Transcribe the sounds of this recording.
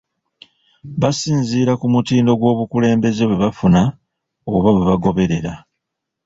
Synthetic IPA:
βasiːnziːɾakumutiːndo̞ɡwo̞ːβukule̞ːmbe̞zeβwe̞βafuna | oβaβwe̞βaɡo̞βe̞ɾe̞ɾa

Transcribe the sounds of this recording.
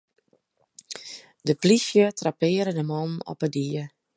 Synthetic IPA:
dəplisjətrapɪːəɾədəmɔnɔ̰pədiə

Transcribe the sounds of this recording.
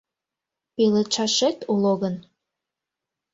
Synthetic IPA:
pelet͡ʃɑʃet̪uloɣən

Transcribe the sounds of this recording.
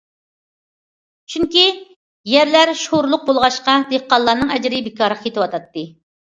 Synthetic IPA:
t͡ʃʰyŋkʲi | jæɾlæɾʃoɾlˠʊq̚bolˠʁɑʃqɑd̪eqːɑlˠːɑːnɨŋɛd͡ʒɾɪbɪkʰɑɾʁʰjet̪ɨwɑt̪ʰɑt̪ːɨ

